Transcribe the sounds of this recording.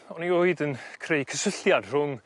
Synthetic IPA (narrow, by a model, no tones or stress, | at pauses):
ɔnioɨdənkʰrejkʰəsəɬjad̥r̥ʊŋ